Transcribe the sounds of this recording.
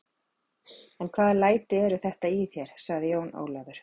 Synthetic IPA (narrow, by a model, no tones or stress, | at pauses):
ɛnkʰvaːðlaːjt̪ɪɛɾʏθɛht̪aiθjɛɾ̥saɣðɪjoːwno̰ːwlɛvʏɾ̥